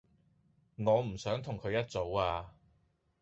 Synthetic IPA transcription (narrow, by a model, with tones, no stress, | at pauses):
ŋɔː˨˧m̩˨˩sœː˨˥ŋt̪ʰʊ˨˩ŋkʰɵ˨˧ɥjɐ˥t̚t͡so˨˥waː˧